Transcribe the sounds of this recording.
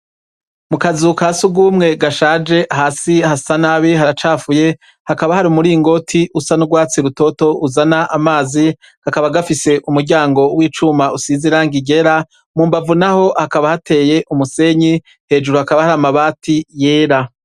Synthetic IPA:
mukazukasuɡuːmŋe̞ɡaʃaːd͡ʒe̞ʔɦasihasanaβiɦaɾat͡ʃaːfuje̞ | hakaβahaɾimuɾiːŋɡo̞tʰiʔusanuɡwaːt͡siɾuto̞to̞uzanaʔamaːzi | hakaβaɡafise̞ʔumuɾɟaːŋɡo̞wiːt͡ʃumausiziɾaŋɡiɟe̞ɾa | muːmbavunaho̞hakaβahatʰe̞ːje̞ʔumuse̞ɲi | he̞ːd͡ʒuɾuhakaβahaɾamaβaːtʰije̞ːɾa

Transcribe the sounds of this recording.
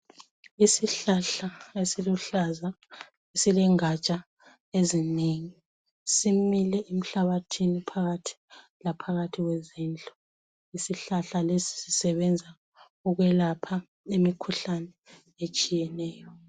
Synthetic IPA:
isiɬaɬaesiluɬaza | esilɛŋat͡ʃʼa | ezineŋi | similɛʔem̩ɬaβatʰinipʰaɣatʰi̥ | lapʰaɣatʰiɣwezind͡ɮʱʼɔ | isiɬaɬalesi̥sisɛβɛnd͡zʱa | uɣwɛlapʰa | emikʰuɬanɛ | et͡ʃʼijɛnɛːjɔ

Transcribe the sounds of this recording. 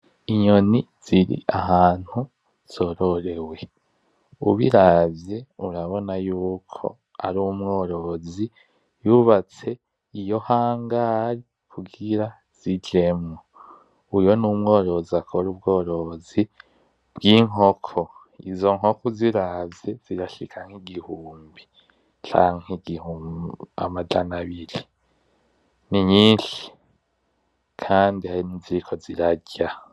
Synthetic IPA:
iɲo̞ni | z̥iɾḭʔaɦaːn̥hu | z̥o̞ːɾoɾe̞we̞ | uβiɾavje̞uɾaβo̞najuːkʰo̞̰ | a̰ɾumŋo̞ːɾo̞zi | juβat͡se̞ | ijo̞haːŋɡaːɾi | kʰuɡiɾa | z̥iɟe̞mŋo | ujo̞numŋo̞ːɾo̞ziakʰoɾub̚ɡo̞ːɾozi | b̥ɡiŋo̞kʰo | izo̞ŋɦhokoziɾaːzez̥iɾaʃikʰaŋ̥hiɡihuːmbi | t͡ʃa̰ːŋeɡihuːma̰mad͡ʒanaβiɾi | niɲiːnʃi̥ | kʰaːndihaɾinizikʰo̞ziɾaɟa

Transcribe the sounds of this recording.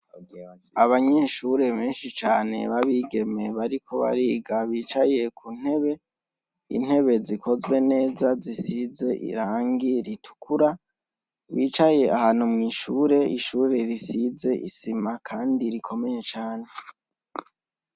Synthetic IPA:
aβaɲeʃuɾe̞βe̞ːnʃit͡ʃaːne̞̰βaβiɡe̞me̞βaɾikʰo̞βa̰ɾiɡaβiːt͡ʃaje̞kun̥he̞βe̞ | ḭn̥he̞βe̞zikʰo̞zwe̞ne̞ːzazisize̞ʔḭɾaːŋɡiɾitʰu̥kʰuɾa | βiːt͡ʃaje̞ʔahaːn̥umŋiːʃuːɾe̞iʃuːɾe̞ɾisize̞ʔḭsimakʰaːndiɾikʰo̞me̞je̞t͡ʃaːne̞

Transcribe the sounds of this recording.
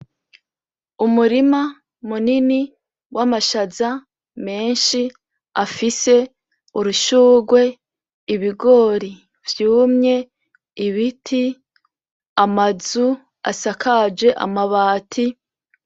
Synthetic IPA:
umuɾima | munini | wʔamaʃaza | me̞ːnʃi | afise̞ | uɾuʃuːɡwe̞ | iβiɡo̞ːɾi | vjuːmɲe̞ | iβitʰi | amazu | a̰sakʰad͡ʒe̞ʔa̰maβaːtʰi

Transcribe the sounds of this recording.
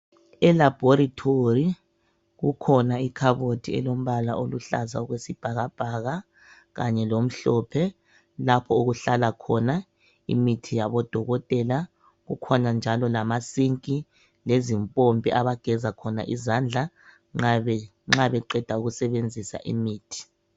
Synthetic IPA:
ɛlab̥ʱoɾitʰori | ɣukʰɔnaikʰaβotʰiɛ̰lom̩βala̰ʔoluɬa̰za̰ɔɣwesib̥ʱaɣab̥ʱaɣa | ɣaɲɛlom̩ɬɔːpʰɛ | lapʰɔuɣuɬalakʰɔna | ḭmitʰijaβɔd̥ʱɔɣɔtʼɛla | ɣukʰɔnand͡ʒʱalɔlamasiŋkʼi | lezimpʼombʱʼiʔaβaɡ̥ʱɛzakʰɔna̰ʔizand͡ɮʱa | ŋ͡ǁɛ | ŋ͡ǁaβɛǃɛd̥ʱauɣusɛβend͡zʱisa̰ʔḭmiːtʰi̥

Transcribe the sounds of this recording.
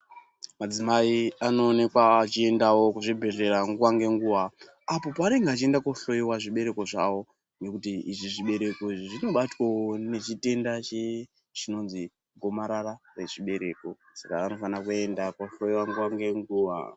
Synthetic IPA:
mad͡zimaiano̞ːne̞kwaːt͡ʃie̞ndawo̞kuʐibʱe̞re̞raŋɡuwaŋɡe̞ŋɡuʋa | apopaːɾeŋɡaːt͡ʃie̞ndakoɬo̞jiwaʐiɓe̞ɾe̞ko̞ʐawo̞ | nɡe̞kutiiʐiʐiɓe̞ɾe̞koiʐiʐino̞ɓatwone̞t͡ʃite̞ndat͡ʃe | t͡ʃino̞nzi | ɡʱo̞maɾarare̞ʐiɓe̞ɾe̞̰ko̞ | sakaːno̞fanakue̞ndakwoɬo̞jiwaŋɡuwaŋɡe̞ŋɡuʋa̰

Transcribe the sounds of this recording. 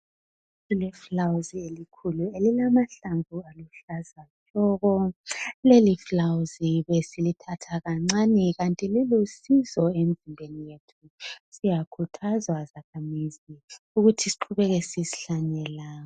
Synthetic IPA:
ilɛflawzielikʰuluelilamaɬaɱvualuɬazat͡ʃʼɔɣɔleliflawuziβesilitʰatʰaɣaŋ͡ǀanɛɣantʼililusizɔem̩zimbʱenijetʰu | sijakʰutʰazwazakʰamizi | uɣutʰisi̥ǃʰuβɛɣɛsizi̥ɬanɛlaːɔ

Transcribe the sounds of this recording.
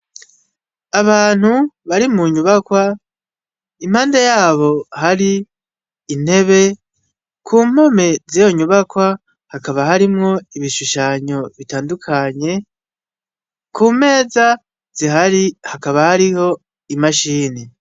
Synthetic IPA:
aβaːn̥huβaɾimuɲuβakwa | im̥haːnde̞jaːβo̞haɾiː | n̥he̞βe̞ | kʰuːm̥o̞me̞zijo̞ɲuβakwa | hakaβaɦaɾimŋo̞iβiʃuʃaɲo̞βitaːndukʰaɲe̞ | kʰuːme̞ːza | z̥iɦaɾihakaβahaɾiho̞ | imaʃiːni

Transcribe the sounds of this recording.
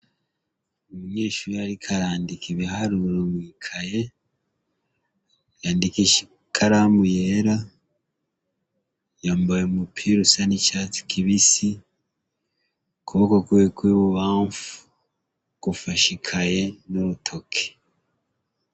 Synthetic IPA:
omuɲe̞ːʃuɾujaɾikʰaɾaːndikiβihaɾuɾomwiːkʰaje | jaːndikiʃi̥ | kʰaɾamujeɾa | jaːmbojemupʰiɾusanicat͡si̥kʰiβisi | kuβokokuekwiːβuβaːɱfu̥ | kufaʃikʰaje̞noɾutʰo̞kʰe̥

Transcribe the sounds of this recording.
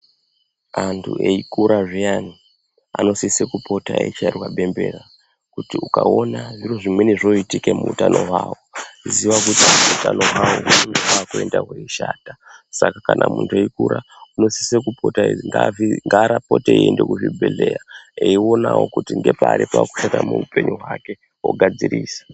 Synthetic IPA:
antʰuʔeikuɾaʐiani | ano̞sisekupo̞taeit͡ʃiarwaɓe̞mbe̞ːra | kutiukaonaʐiroʐimwe̞niʐoitikemuutano̞ɦwaːwoiziʋakutimuutano̞ɦwawounineakue̞ndaɦweiʃaːtasakakanʔamuntʰeikuɾa | uno̞sisekupo̞taŋɡaviŋɡaɾapo̞teiende̞kuɦibʱelejaeio̞nawokutiŋɡe̞paɾipaku̥ʃatamuupe̞ɲuɦwake̞ | woɡʱad͡ziɾiːsḁ

